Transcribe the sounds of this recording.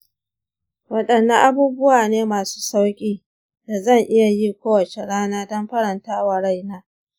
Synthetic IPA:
wɐ˦ɗɐ˨nːɐ˦ŋʔa˦buː˦bʊ˦waː˨neː˦maː˨su̥ː˦sa˦wkʲʼiː˦ | da˨zɐ˦˨ŋʔɪ˦ja˨ji˦kʷoː˦wɐ˨t͡ʃe˨ɽaː˦naː˦dɔ˦mɸɐ˦ɾɐ˨ntaː˦wɐ˨ɽa˦˨jnaː˦

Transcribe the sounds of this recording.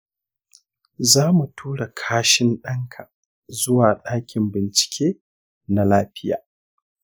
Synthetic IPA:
zaː˦mu˨tʰuː˦ɽa˨kʰaː˦ʃɪ˦nɗɐ˦ŋkʰa˨ | zʊ˦waː˨ɗaː˦kʲɪ˨mbɪ˨nt͡ʃɪ̥˨kʲʰeː˦ | na˨laː˦ɸɪ˦ja̰ː˨

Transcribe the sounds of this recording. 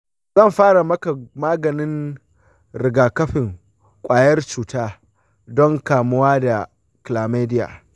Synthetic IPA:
zɐ˦˨mɸaː˦ɽa˨mɐ˦ka˨maː˦ɡɐ˨nɪ˦n | ɾɪ˨ɡaː˨kɐ˦ɸɪ˨ŋ | kʷʼaː˨jɐ˦rt͡ʃuː˨taː˦ | dɔ˦ŋkaː˨mʊ˦waː˦da˨ | klaː˨meː˦dɪ˦ja̰ː˨

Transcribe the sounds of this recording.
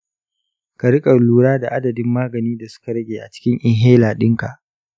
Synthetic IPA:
ka˨ɽɪ˦kʼɐ˨luː˦ɽaː˦da˨ʔa˦dɐ˨dɪ˦mːaː˦ɡɐ˨niː˦da˨sʊ̥˦ka˨ɾɐ˦ɡʲeː˨ʔa˨t͡ʃɪ̥˦kʲɪ˦ŋʔɪ˦ŋɦeː˦laː˨ɗɪ˦ŋka̰˨ʔ

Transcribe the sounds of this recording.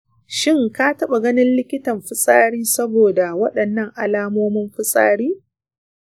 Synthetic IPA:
ʃɪ˦ŋkaː˦tɐ˦ɓa˨ɡɐ˦nɪ˦nlɪ˦kʲɪ˦tɐ˨mɸɪ˦sʼaː˦ɽiː˦sɐ˦boː˨da˨wɐ˦ɗɐ˨nːɐ˦ŋʔa˨laː˦moː˦mɪ˦mɸɪ˦sʼa̰ː˦ɽiː˦

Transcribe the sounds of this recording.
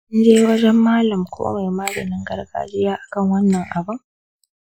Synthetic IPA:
ʊ˦nd͡ʒeː˦wɐ˦d͡ʒɛ˦mːaː˦lɐ˨mkʷʰo̰ː˦me˨jmaː˦dɐ̰˨nɪ˦ŋɡɐ˦rɡa̰ː˦d͡ʒɪ˦jaː˦ʔa˨kɐ˦˨ŋwɐ˦nːɐ˨ŋʔa˨bɐ˦ŋ

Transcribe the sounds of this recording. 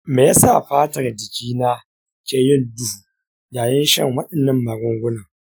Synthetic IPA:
meː˨ja˦sa˦˨ɸaː˦tɐ˨rd͡ʒɪ˨kʲiː˦naː˦ | t͡ʃe˦jɪ˦˨ndʊ˦˨ | jaː˨jɐ˦nʃɐ̰˦˨ŋwɐ˦ɗɪ˨nːɐ˦mːaː˨ɡʷʊ˦ŋɡʷʊ˦nɐ˨ŋ

